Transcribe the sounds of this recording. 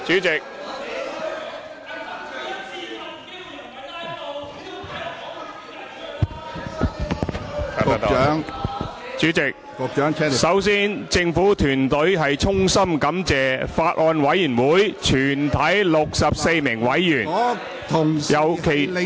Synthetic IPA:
t͡ʃyː˨˥t͡sɪ˨k̚ | a˨a˥˨t̪ːŋ | t͡ʃyː˨˥t͡sɪ˨k̚kɔ˨˧kt͡ʃœː˨˥ŋʰ˥sɐ˨˥wsiː˥nt͡sɪ˧ŋfuː˨˥t̪ʰyː˨˩nt̪ɵ˨˥ɥɦɐ˨jt͡sʰʊ˥ŋsɐ˥mkɐ˨˥mt͡sɛː˨faː˧t̚ʔɔː˧nwɐ˨˥jyː˨˩nwuː˨˥jt͡ʃʰyː˨˩nt̪ʰɐ˨˥jlʊ˨k̚sɐ˨p̚se˧jmɪ˨˩ŋwɐ˨˥jːyː˨˩n | t̪ʰʊ˨˩ŋjɐ˨wkʰe˨˩

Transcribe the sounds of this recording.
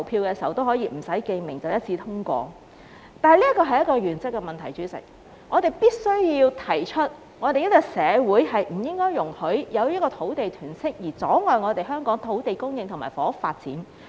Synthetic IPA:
wpʰiː˧wkɛː˧si˨˩wt̪o˥whɔː˨˥jiː˧m̩˨˩sɐ˨˥jke˧jmɪ˨˩ŋt͡sɐ˨wjɐ˥t̚t͡sʰiː˧t̪ʰʊ˥ŋkʷɔ̰ː˧ | t̪aː˨jliː˥kɔː˧ɦɐ˨jɐ˥t̚kɔː˧ɥyː˨˩nt͡sɪ˥kːɛ˧mɐ˨nt̪ʰɐ˨˩jt͡ʃyː˨˥t͡sɪ̰˨k̚ | ŋɔː˨˧t̪e˨jpiː˥t̚sɵ˥ɥjiː˧wt̪ʰɐ˨˩jt͡ʃʰɵ˥t̚ | ŋɔː˨˧t̪e˨jɐ˥t̚t͡sːɔ˧sɛː˨˧wuː˨˥jhɐ˨jm̩˨˩jɪ˥ŋkɔː˥jːʊ˨˩ŋhɵ˨˥ɥjɐ˨˧wjɐ˥kɔː˧t̪ʰo˨˥wt̪e˨jt̪ʰyː˨˩nsɪ˥k̚jiː˨˩t͡sɔː˨˥ŋɔː˨jŋɔː˨˧t̪e˨jɦœː˥ŋkɔː˨˥ŋt̪ʰo˨˥wt̪e˨jkʊ˥ŋjɪ˧ŋt̪ʰʊ˨˩ŋma̰ː˨˩jfɔː˨˦˥ʊ˥k̚faː˧t̚t͡siː˨˥n

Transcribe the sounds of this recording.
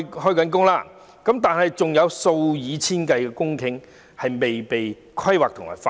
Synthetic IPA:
ɦɔː˥jkɐ˨˥nk̬ʊ˥ŋlaː˥ | kɐ˨˥mt̪aː˨nhɐ˨jt͡sʊ˨ŋjɐ˨˧wso˧wjiː˨˧t͡sʰiː˥nkɐ˧jkɛː˧kʊ˥ŋkʰɪ˨˥ŋ | hɐ˨jme˨jpe˨j | kʰɐ˥jwaː˨k̚t̪ʰʊ˨˩ma̰˨˩fa˧

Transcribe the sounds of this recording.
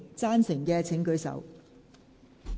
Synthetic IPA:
t͡saː˥nsɪ˨˩ŋkɛː˧t͡sʰɪ˨˥ŋkɵ˧ɥsɐ̰˨˩w

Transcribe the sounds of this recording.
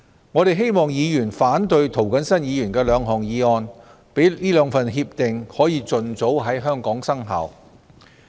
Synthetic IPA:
ŋɔː˨˧ɾe˨jɦe˥jmɔː˨˩ŋjiː˨˧jyː˨˩nfaː˨˥nt̪ɵ˨ɥt̪ʰo˨˩wkɐ˨˥nsɐ˥njiː˨˧jyː˨˩nkɛː˧lœː˨˧ŋɦɔː˨˩ŋjiː˨˧ɔː˧n | pe˨˥jliː˥lœː˨˧ŋfɐ˨nɦiː˧p̚t̪ɪ˨ŋhɔː˨˥jiː˧t͡sɵ˨nt͡so˨˥wɦɐ˨˥jɦœː˥ŋkɔː˨˥ŋsɐ˥ŋɦɐ̰˨˩w

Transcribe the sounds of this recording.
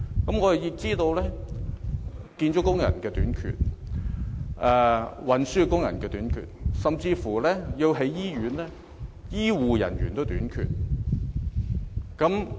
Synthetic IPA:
kɐ˨˥mŋɔ˨˧ɐ˨ji˧k̚t͡siː˥t̪o˧wlɛː˥ | kiː˧nt͡ʃʊ˦˥kːʊ˥ŋjɐ̰˨˩nkɛː˧t̪yː˨˥nkʰy̰ː˨t̚ | ʔɛ˧wɐ˨nsyː˥kʊ˥ŋjɐ̰˨˩nkɛː˧t̪yː˨˥nkʰy̰˨t̚sɐ˨mt͡siː˧fuː˨˩lɛː˥ji˧wɦe˨˥jjiː˥ɥyː˨˥nlɛː˥ | jiː˥wuː˨jɐ̰˨˩nɥyː˨˩nt̪o˥wt̪yː˨˥nkʰy̰˨t̚ | kɐ˨˥m

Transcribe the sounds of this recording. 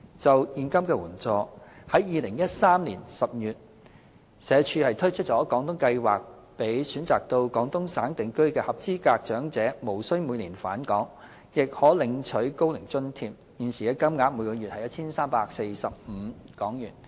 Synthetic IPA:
t͡sɐ˨wjiː˨nkɐ˥mkɛː˧wuː˨˩nt͡sɔː˨˧hɐ˨˥jjiː˨˧lɪ˨˩ŋjɐ˥t̚saː˥mliː˨˩nsɐ˨p̚jyː˨˩t̚ | sɛː˨˧˥t͡ʃʰyː˧hɐ˨jt̪ʰɵ˥ɥt͡ʃʰɵ˥t̚t͡ʃɔː˨˥kɔː˨˥ŋt̪ʊ˥ŋkɐ˧jwa̰ː˨k̚ | pe˨˥jsyː˨˥nt͡saː˨k̚t̪o˧wkɔː˨˧˥ŋt̪ʊ˥ŋsaː˨˥nt̪ɪ˨˧ŋkɵ˥ɥkɛː˧hɐ˨p̚t͡siː˥kaː˧k̚t͡ʃœː˨˥ŋt͡sɛː˨˥mo˨˩wsɵ˥ɥmuː˨˧jniː˨˩nfaː˨˥nkɔː˨˥ŋ | jɪ˨k̚hɔː˨˥lɪ˨˧ŋt͡ʃʰɵ˨˥ɥko˥wlɪ˨˩ŋt͡sɵ˥nt̪ʰiː˧p | jiː˨nsiː˨˩kɛː˧kɐ˥mŋaː˨˧˥muː˨˧jkɔː˧jyː˨t̚hɐ˨jɐ˥t̚t͡sʰiː˥nsaː˥mpaː˧k̚se˧jsɐ˨p̚m̩ː˨˧kɔː˨˥ŋjyː˨˩n

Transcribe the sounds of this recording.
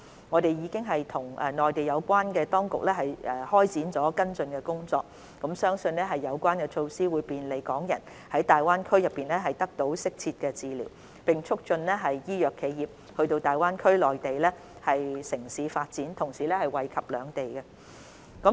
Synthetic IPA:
ŋɔː˨˧t̪e˨jjiː˨˧kɪ˥ŋɦɐ˨jt̪ʰʊ˨˩ŋɛ˨˩nɔː˨˩jt̪e˨jɐ˨˧wkʷaː˥nkɛː˧t̪ɔː˥ŋkʊ̰˨k̚lɛː˥ɦɐ˨jɛ˨hɔː˥jt͡siː˨˥nt͡sɔː˨˥kɐ˥nt͡sɵ˧nkɛː˧kʊ˥ŋt͡sɔ̰ː˧k̚ | kɐ˨˥msœː˥ŋsɵ˧nlɛː˥ɦɐ˨jːɐ˨˧wkʷwaː˥nkɛ˧t͡ʃʰo˧wsiː˥wuː˨˧jpiː˨nle˨˩jkɔː˨˥ŋjɐ˨˩n | hɐ˨˥jt̪aː˨jwaː˥nkʰɵ˥ɥjɐ˨pːiː˨˩nlɛː˥ɦɐ˨jt̪ɐ˥k̚t̪o˨˥wsɪ˥k̚t͡sʰiː˧t̚kɛː˧t͡siː˨lḭː˨˩w | pɪ˨ŋt͡ʃʰʊ˥k̚t͡sɵ˧nlɛː˥ɦɐ˨jjiː˥jœː˨kʰːe˨˧jjiː˨p̚ | hɵ˧ɥt̪o˧wt̪aː˨jwaː˥nkʰɵ˥ɥlɔː˨jt̪e˨jlɛː˥ | hɐ˨jsɪ˨˩ŋsiː˨˥faː˧t̚t͡siː˨˥nt̪ʰʊ˨˩ŋsiː˨˩lɛː˥hɐ˨jwɐ˨jkʰɐ˨p̚lœː˨˧ŋt̪e˨jkɛ˧ | kː

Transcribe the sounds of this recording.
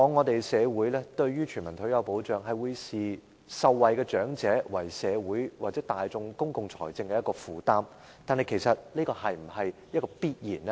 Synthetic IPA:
kɔː˨˧˥ŋːɔː˨˧t̪e˨jsɛː˨˧wuː˨˥jlɛː˥t̪ɵ˧ɥjyː˥t͡ʃʰyː˨˩nmɐ˨˩nt̪ʰɵ˨˥jɐ˨˧wpo˨˥wt͡ʃœː˨˩ŋɦɐ˨jwuː˨˧jsiː˨ | sɐ˨˧wːɐ˨jkɛː˧t͡ʃœː˨˥ŋt͡sɛː˨˥wɐ˨˩jsɛː˨˧wuː˨˥jwaː˨˩t͡sɛː˨˥t̪aː˨jt͡sʊ˧ŋkʊ˥ŋkʊ˨ŋt͡sʰɔ̰ː˨˩jt͡sɪ˧ŋkɛː˧jɐ˥t̚kɔː˧fuː˨˧t̪aː˥m | t̪aː˨nhɐ˨jkʰe˨˩jsɐ˨t̚liː˥kɔː˧hɐ˨jm̩˨˩hɐ˨jjɐ˥t̚kɔː˧piː˥t̚jiː˨˩n˦

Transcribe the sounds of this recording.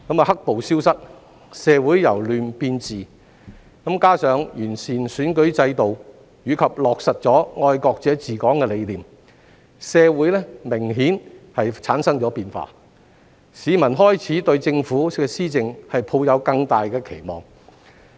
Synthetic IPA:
kɐ˨˥mɐ˨˩hɐ˥k̚po˨wsiː˥wsɐ˥t̚ | sɛː˨˧wuː˨˥jjɐ˨˩wlyː˨npiː˧nt͡siː˨ | kɐ˨˥mkaː˥sœː˨˧ŋjyː˨˩nsiː˨˩nsyː˨˥nkɵ˨˥ɥt͡sɐ˧jt̪o˨w | jyː˨˧kʰɐ˨p̚lɔː˨k̚sɐ˨t̚t͡sɔː˨˥ŋɔː˧jkɔː˧k̚t͡sɛː˨˥t͡siː˨˩kɔː˨˥ŋkɛː˧le˨˧jliː˨˩m | sɛː˨˧wuː˨˥jlɛ˥mɪ˨˩ŋɦiː˨˥nhɐ˨jt͡sʰaː˨˥nsɐ˥ŋt͡sɔː˨˥piː˨˧nfa̰ː˧ | siː˨˧mɐ˨˩nɦɔː˥jt͡sʰiː˨˥t̪ɵ˧ɥt͡sɪ˧ŋfuː˨˥ɛ˧siː˥t͡sɪ˨˧ŋhɐ˨jpʰo˧wjɐ˨˧wkɐ˧ŋt̪aː˨jkɛː˧kʰe˨˩jmɔ̰ː˨ŋ

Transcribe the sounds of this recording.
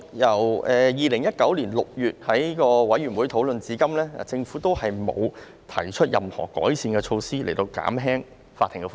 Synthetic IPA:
jɐ˨˩wɛː˨jiː˨lɪ˨˩ŋjɐ˥t̚kɐ˨˥wliː˨˩nlʊ˨k̚jyː˨t̚hɐ˨˥jkɔː˧wɐ˨˥jyː˨˩nwu˨˥jt̪ʰo˨˥wlɵ˨˧nt͡siː˨˧˥kɐ˥mlɛ̰ː˥˨t͡sɪ˧ŋfuː˨˥t̪o˥whɐ˨jmo̰˨˧w | t̪ʰɐ˨˩jt͡ʃʰɵ˥t̚jɐ˨mhɔ̰ː˨˩kɔ̰ː˨˥jsiː˧nkɛː˧t͡ʃʰo˧wsiː˥le˨˩jt̪o˧wka̰ː˨˥mɦɛː˥ŋ | faː˧t̪ʰːɪ˨˩ŋkɛ˧

